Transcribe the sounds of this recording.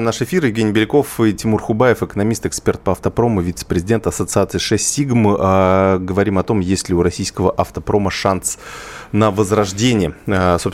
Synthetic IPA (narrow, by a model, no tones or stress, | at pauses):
naʂɨfʲirjɪvɡʲenʲɪjbʲɪlʲɪko̞fɨtʲɪmurxʊbajɪfɨkənɐmʲist̪ɨkspʲe̞rt̪̚pəɐft̪əpɾo̞mʊvʲit̪sə̥pɾʲɪzʲɪdʲe̞nt̪əɐsət̪sɨat̪sɨʂɛsʲtʲːiɡmɨʔɡəvɐɾʲimɐt̪o̞mjesʲlʲɪʊɾɐsʲijskəvəʔɐft̪əpɾo̞məʂansnəvəzrɐʐdʲenʲɪjəso̞ps